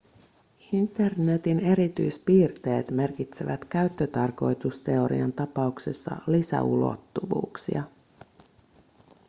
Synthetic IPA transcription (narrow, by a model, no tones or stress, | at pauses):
int̪e̞rne̞t̪ine̞ɾit̪yjspiːrt̪e̞ːt̪me̞rkit̪seʋæt̪k̟æɥt̪ːø̞t̪ɑrko̞jt̪ust̪e̞o̞ɾḭɑnt̪ɑpɑukse̞sːɑ̰lisæ̰ulo̞̰t̪ːuʋṵːksḭɑ